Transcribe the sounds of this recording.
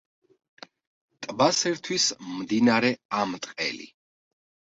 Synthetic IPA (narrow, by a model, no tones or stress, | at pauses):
t̪ʼbasɛɾt̪ʰwismd̪inaɾɛamt̪ʼqʼɛ̰lḭ